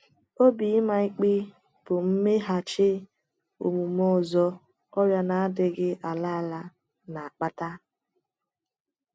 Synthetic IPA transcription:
o˦bi˨i˦ma˨i˦k͡pɪ˦ | b̥ʊ˨m̩˦me˦ɦa˨t͡ʃɪ˦ | o̰˨mu˨mo˦˨zɔ˦ | ɔ˦ɾja˦na˨a˦dɪ˦ɡɪ˦ʔa˨la˦a˨la˦ | na˨a˨k͡pa˦ta˦

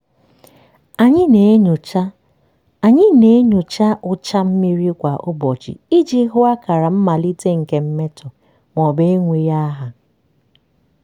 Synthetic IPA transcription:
a˨ɲɪ˦ne˨˦ɲʊ˨t͡ʃa˦ | a˨ɲɪ˦ne˨e˦ɲʊ˨t͡ʃa˦ʔʊ˦t͡ʃa˦m̩˦mi˦ɾi˦kʷa˨ʔʊ˦bɔ˨t͡ʃḭ˨i˦d͡ʒi˦ɦʊ˦a˦ka˨ɾa˨m̩˦ma˨li˦te˦ŋ̩˨ke˦m̩˦me˦tʊ˨ | ŋʷɔ˨be˦e˦ŋʷe˨ja˦ɦa˨

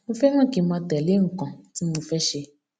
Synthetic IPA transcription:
nũ˧fɛ˦nã˦˨ke˨mã˧tɛ˨le˨˦ŋ̩˨˦kɔ̃˨ti˦nũ˧fɛ˦ʃe˧

